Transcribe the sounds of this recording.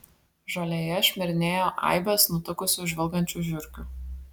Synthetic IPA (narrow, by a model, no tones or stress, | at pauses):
ʒoːlʲejɛʃʲmʲɪɾʲɪnʲeːjoːʔɐ̰ɪbʲɛsnʊt̪ʊkʊsʲʊʒʲʋʲɛlˠɡɐnʲt͡ʃʲuʒʲʊɾʲkʲu